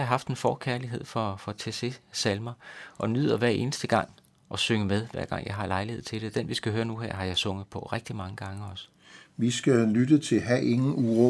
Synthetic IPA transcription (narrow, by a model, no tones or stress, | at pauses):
ɑɦɑ̈fd̥e̝nfɒːkʰæɐliɦe̝ð̞̰ˠfɒ̽fɒ̽t͡sʰese̝sælmɐʔɒ̽nyð̰ˠɐʋæɐ̰e̝ːnəsd̥əɡ̥ɑ̈ŋ̰ | ʔɒ̽søŋəmeðˠʋæɐ̰ɡ̥ɑ̈ŋ̰jɑ̈ɪɦɑ̈lɑ̈ɪlihe̝ð̰ˠt͡sʰe̝ld̥e̝d̥enʋisɡ̥æɦøːɐnuɦeɐ̰ɦɑ̈jɑ̈ɪsɔ̽ŋ̰əð̩ˠpʰɒ̽ʁɛɡ̥̚d̥imɑ̈ŋəɡ̥ɑ̈ŋəɒ̽s | ʋisɡ̥ælydət͡sʰe̝lɦæʔe̝ŋn̩uʁɔ